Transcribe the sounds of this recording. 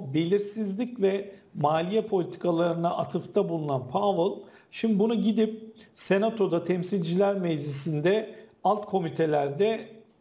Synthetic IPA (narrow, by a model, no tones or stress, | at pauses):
be̞lʲiɾsizlʲicvɛmaːlʲijɛpʰo̞lʲit̪ʰi̥kʰalˠaɾɯnaʔat̪ʰɯft̪ʰabulˠunanpʰavɯlˠ | ʃimd̪ibunuɟid̪ip̚se̞nat̪ʰo̞d̪at̪ʰɛmsilʲd͡ʒilʲæɾmɛd͡ʒlisind̪ɛalˠt̪kʰo̞mit̪ʰe̞lʲæɾd̪ɛ